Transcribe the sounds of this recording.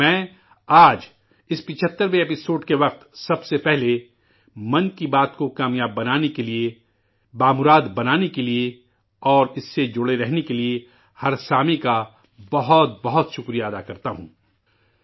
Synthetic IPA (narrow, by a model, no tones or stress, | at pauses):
mɛ̃ː | aːd͡ʒ | ɪspɪt͡ʃʰət̪ːəɾʋeːpɪsoːɖkeʋɐq̚t̪sɐbsepɛɦle | mɐ̃nkibaːt̪kokaːmjaːbːɐnaːnekelie | baːmʊɾaːd̪bɐnaːnekelie | ɔːɾɪsːed͡ʒʊɽeɾɛɦnekelie | hɐɾsaːmika | bɐɦʊt̪̚bɐɦʊt̪ʃʊkɾijaɐd̪akɐɾt̪aɦṵ̃ː